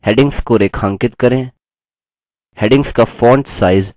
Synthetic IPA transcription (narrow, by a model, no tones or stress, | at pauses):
hɛːɖɪ̃ŋɡskoɾeːkʰãŋkɪt̪kɐɾẽː | hɛːɖɪ̃ŋɡskafɔːɾɳʈsaːɪz